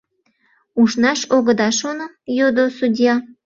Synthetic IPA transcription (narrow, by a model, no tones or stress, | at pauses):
uʃnɑʃoɣəd̪ɑʃono | jod̪osudʲjɑ